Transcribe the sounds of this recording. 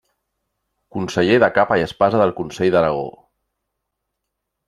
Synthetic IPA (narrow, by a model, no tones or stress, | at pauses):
kunsəʎeðəkapaiəspazəðəlˠkunseʎðəɾaɣ̞o̰